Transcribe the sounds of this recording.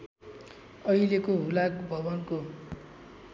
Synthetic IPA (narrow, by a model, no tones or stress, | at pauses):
ʌilekoɦulakbʱʌbʌnko